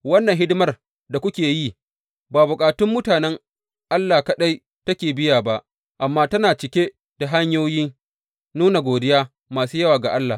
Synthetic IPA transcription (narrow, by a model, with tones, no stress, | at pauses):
wɐ˦nːɐ˨ŋɦɪ˦dmɐ˦r | da˨kʷʊ˦kʲeː˨ji˦˨ | baː˨bʊ˨kʼaː˨tʊ˦mːʊ˦taː˨nɛ˦ŋ | ʔa˦lːaː˨kɐ˨ɗa˦j | tɐ˦kʲeː˨bɪ˦jaː˨ba˦ʔ | ʔa˨mːaː˦tɐ˦naː˨t͡ʃɪ˨kʲe˦ | d̥a˨ɦa˦ɲjoː˦jɪ˦ŋ | nuː˦na˨ɡʷoː˨dɪ˦jaː˦ | maː˨suː˦jɐ˦waː˨ɡa˨ʔa˦lːa˨